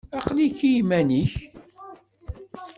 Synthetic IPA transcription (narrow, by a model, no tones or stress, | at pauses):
ɑqliçijmæniç